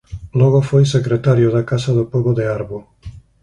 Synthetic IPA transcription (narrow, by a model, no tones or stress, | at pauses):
loɣofojsekɾet̪aɾiod̪akasad̪opoɡod̪eaɾbo